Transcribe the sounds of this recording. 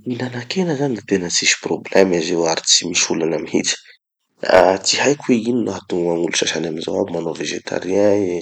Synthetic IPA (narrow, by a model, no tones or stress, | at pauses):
minanakʰenəzaniit̪enət͡siʃi̥problɛmizewaɾit͡si̥miʃulanəmihḭt͡si̥ | a̰t͡siɦajkuweininat̪uŋaŋuluʃaʃanaminzawa̰bimanoveʒet̪ʰa̰ɾiã